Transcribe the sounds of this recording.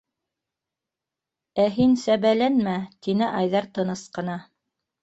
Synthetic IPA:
æɦinsæβælænmæt̪inɘʔɑjðɑɾt̪ɤ̆nɤsqɤ̆nɑ

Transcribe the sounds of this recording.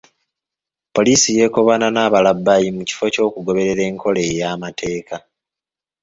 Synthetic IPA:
po̞liːsije̞ːko̞βananaːβalabːajimuci̥fo̞co̞ːkuɡo̞βe̞ɾe̞ɾe̞ːŋkʰo̞le̞ːjaːmatʰe̞ːkʰa

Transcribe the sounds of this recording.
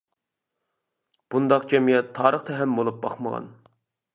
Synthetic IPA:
b̥und̪ɑqd͡ʒɛmijɛt̪ʰːɑːɾəχt̪ʰɛɦɛmbolˠup̚bɑ̰χməʁɑ̰n

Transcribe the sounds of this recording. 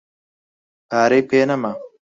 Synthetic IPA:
paːɾepeːnɐma

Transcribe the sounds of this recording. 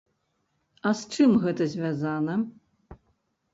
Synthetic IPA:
ɐst͡ʂɨmɣɛt̪ɐzʲvʲazanɐ

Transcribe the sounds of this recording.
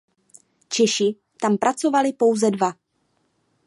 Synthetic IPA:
t͡ʃɛʃɪ | t̪ampɾʔat͡so̞valɪpo̞wzɛdva

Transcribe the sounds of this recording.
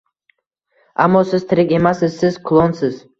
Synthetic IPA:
amːɒsɪz̥t̪ʰɪɾɪkʲe̞masɪzsɪzkʰʊlˠonsɪz̥

